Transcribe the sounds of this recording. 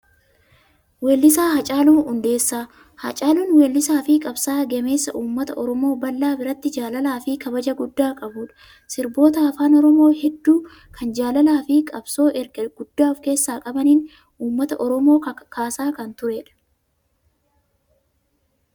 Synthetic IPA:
weːlːɪs̬aːɦɐt͡ʃʼaːluːʊnd̪e̞ːsːaː | hɐt͡ʃʼaːluːnweːlːɪsaːfɪkʼɐbsaːɡɛme̞ːsːɐʔuːmːɐt̪ɐʔɔɾɔmo̞ːbɐlːaːbɪɾɐt̪ːɪd͡ʒaːlɐlaːfɪkɐbɐd͡ʒɐɡʊd̪ːaːkʼɐbuːᶑɐ̥ | sɪɾbo̞ːt̪ɐɐfaːnɔɾɔmo̞ːhɛd̪ːuː | kʰɐnd͡ʒaːlɐlaːfɪkʼɐbso̞ːʔɛɾɡɐɡ̥ʊd̪̥ːaːfke̞ːsːaːkʼɐbɐniːn | ʔuːmːɐt̪ɐʔɔɾɔmo̞ːkaːsaːkɐnt̪ʊɾeːᶑɐ̥

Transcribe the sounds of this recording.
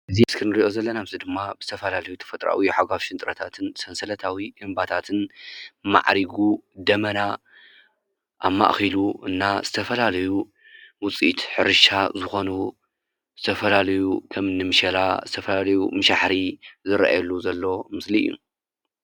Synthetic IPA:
ʔɨzimɨskʰɨnɨɾiʔo̞zɐlːɐnaβzid̪ɨmːabɨzɨt̪ʰɐfɐlalɐjut̪ʰɐ̥fɐt̪ʼɾa̰wiħaɡafʃɪnt̪ʼɾɐt̪ʰat̪ʰɨnsɐnsɐlɐt̪ʰawiʔɨmbat̪ʰat̪ʰɨnma̰ʕɾiɡud̪ɐmɐna | ʔamːa̰ʔxiluɨnːaz̥ɨt̪ʰɐfɐlalɐju | wʊt͡sʼit̪ħɨɾɨʃazɨxo̞nu | z̥ɨt̪ʰɐfɐlalɐjukʰɐmnːɨmɨʃɐla̰zɨt̪ʰɐfɐlalɐjumɨʃaħɾizɨɾʔa̰jlːuzɐlːo̞mɨsliɨ̰jːṵ

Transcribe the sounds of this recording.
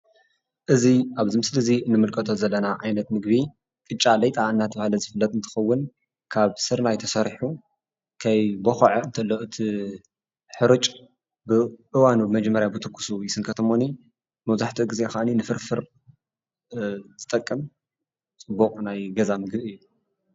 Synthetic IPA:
ʔɨziʔaβzɨmɨslɨziɨnːɨmɨlkʼɐt̪ʰozɐlːɐnaʕajnɐt̪mɨɡbi | kʼɨt͡ʃʼːalɐjt̪ʼaɨnːat̪ʰɐβahlɐzɨfɨlːɐt̪ʼɨnt̪ʰɨ̥xɐwːʊn | kʰaβsɨɾnajt̪ʰɐsɐɾħu | kʰajboxɐʕoɨnt̪ʰɐlːoʔɨt̪ʰi | ħɨɾɨt͡ʃʼ | bɨʔɨwanubɨmɐd͡ʒmːɐɾjabɨt̪ʰɨkʰʼːu̥sujɪsɨŋkʰɐt̪ʰɐmoni | mɐβzaħt̪ʰiɡize̞xaʔninɨfɨɾfɨɾ | zɨt̪ʼɐkʼːɨm | t͡sʼɨbːokʼnajɡɐzamɨɡbɨjːu

